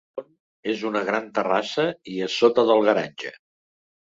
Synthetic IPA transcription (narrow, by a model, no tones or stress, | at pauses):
on | ezunəɣɾant̪ərasəiəsot̪əðəlˠɣəɾaɲʲʒə̰